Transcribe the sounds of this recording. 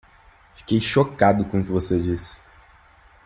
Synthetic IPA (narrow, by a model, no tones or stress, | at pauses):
fi̥kejʃokad̪ʊkõʊkɪvosed͡ʒisɪ̥